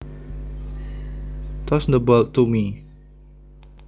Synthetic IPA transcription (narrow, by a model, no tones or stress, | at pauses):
t̪ʰɔsnəbəltumi